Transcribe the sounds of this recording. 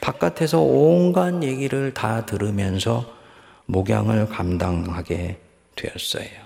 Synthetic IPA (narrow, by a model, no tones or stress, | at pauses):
pak̚k͈atʰe̞sʰʌonɡanje̞ɡiɾɯɭtatɯɾɯmjʌnsʰʌ | moɡja̰ŋɯɭkamdaŋhaɡe̞ | dwe̞̰jʌs͈ʌ̰jo